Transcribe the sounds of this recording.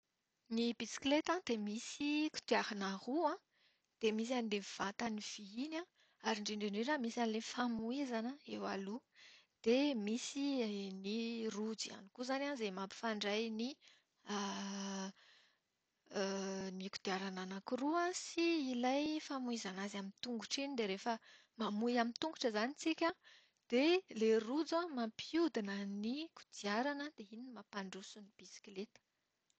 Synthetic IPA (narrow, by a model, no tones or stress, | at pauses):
nibisi̥klet̪and̪̥emisiku̥d̪iaɾanahuã | d̪̥emis̬anileiv̥at̪aniv̥iinã | aɾiɳɖ͡ʐeɳɖ͡ʐeɖ͡ʐeɾamisanilefamuizanəewa̰lud̪̥emisinirud͡zia̰nikuzananzemapi̥faɳɖ͡ʐajni | a | niku̥d̪̥iaɾananakuruãsiilajfamuizanazamint̪uŋɡuʈ͡ʂinid̪eɾefə | mamujamint̪uŋɡuʈ͡ʂəzanit͡sikʲə | d̪̥elerud͡zãmampʰud̪inəniku̥d̪̥iaɾanəd̪̥eininimapaɳɖ͡ʐusunib̥isi̥klet̪ə̥